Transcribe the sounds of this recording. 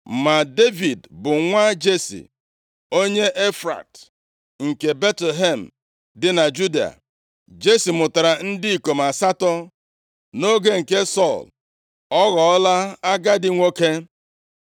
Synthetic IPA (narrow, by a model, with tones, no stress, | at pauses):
ma˨de˦vi˨dbʊ˨ŋʷa˦d͡ʒe˦sḭ˨ | o˦ɲe˦ʔe˦fɾa̰˨t | ŋ̩˨ke˨be˦tle˨ɦe˨m̩˨ | dɪ˦na˨d͡ʒu˦di˨a̰˨ | d͡ʒe˦si˨mʊ˨ta˨ɾa˨n̩˦dɪ˦i˨ko˨ma˨sa˦tɔ˦ | no˦ɡe˦ŋ̩˨ke˦sɔ˦˨l | ɔ˦ɣɔ˨ɔ˦la˦a˦ɡa˦dɪ˦ŋʷo˦ke˦